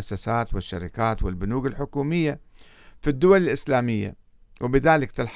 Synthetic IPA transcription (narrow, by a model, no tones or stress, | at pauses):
ʔasːasaːt̪wɪʃːaɾɪkaːt̪wɪlbʊnuːɡɪlħʊkuːmɪjːa | fid̪ːʊwalɪlʔɪslaːmɪjːa̰ | wʔɪbɪðaːlɪkt̪ɪlħ